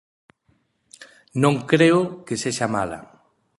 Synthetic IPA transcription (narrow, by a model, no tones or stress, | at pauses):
nõŋkɾeʊkeseʃama̰la̰